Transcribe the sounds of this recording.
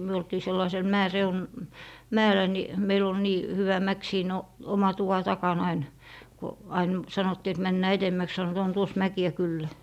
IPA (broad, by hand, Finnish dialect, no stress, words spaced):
myø oltiː selːɑisel mæereun mæelˑæ ni meil ol niː hyʋæ mæk siːn o omɑ tuʋɑ tɑkɑn ɑin ko ɑin sɑnotːiː et mænːæː etemːæks sɑnot on tuos mækiæ kylːæ